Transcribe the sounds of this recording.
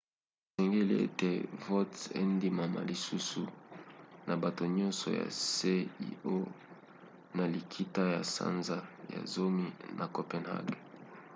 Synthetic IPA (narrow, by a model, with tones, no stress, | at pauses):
sɛ˨ŋɡe˦lḭ˦ḛ˦te˨vo˦tḛ˦ndi˨ma˨ma̰˨li˨su˦su˨ | na˨ba˨to˨ɲɔ˦nsɔ̰˨ja̰˨se˦ḭ˦o˦ | na˨li˨kʰi˦ta˦ja˨sa̰˦nza˦ja̰˨zo˦mi˦nʔa˨ko˨pɛ˨nha̰˦ɡ